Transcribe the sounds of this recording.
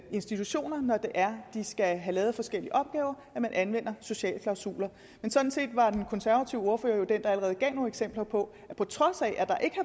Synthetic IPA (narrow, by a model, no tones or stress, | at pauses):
e̝nsd̥it͡sʰuɕo̝̰ːnɐnɒd̥e̝ʔæɐd̥isɡ̥æɦælɛːð̩ˠfɒ̽sɡ̥el̰iəʔɒ̽b̥̚ɡ̥ɛːʊɐ | æmænʔænʋen̰ɐso̝ɕɛ̰ːlkʰlɑ̈ʊsṵːlɐ | mensɒ̽d̥n̩se̝̰ːd̥ʋɑ̈d̥enkʰɔ̽nsæɐʋæt͡sʰiʊəo̝ɐfø̰ːɐjo̝d̥end̥ɑ̈æləʁɛːð̞̩ˠɡ̥ɛ̰ːno̝ːeɡ̥semb̥lɐpʰɒ̽ | æpʰɒ̽t͡sʰʁɒ̽sɛʔæd̥ɑ̈ʔe̝ɡ̥ə